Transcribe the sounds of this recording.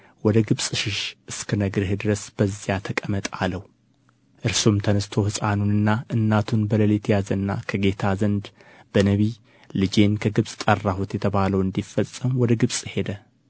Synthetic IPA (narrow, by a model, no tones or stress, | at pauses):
wɔd̪əɡɨβsʼʃɪʃʔɨskʰənəɡɾhed̪ɨɾəsb̥əzːijat̪ʰəkʼəmət̪ʼaləw | ʔɨɾsumt̪ʰənəst̪ʰo̞hɨsʼanunɨnːaʔɨnːat̪ʰunbələlet̪ʰjazənːa̰kʰəɡe̞t̪ʰazənd̪b̥ənəβi | lɨd͡ʒe̞nkʰəɡɨβsʼt̪ʼərːaɦot̪jɛt̪ʰəβaləwɨnd̪ifːəsʼəmwɔd̪əɡɨβsʼhe̞d̪ə